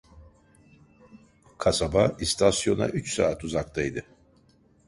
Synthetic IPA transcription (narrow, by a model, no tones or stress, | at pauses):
kʰasabaist̪ʰasjo̞na̰ʔyt͡ʃsaːt̪ʰuzakt̪ʰajd̪ɯ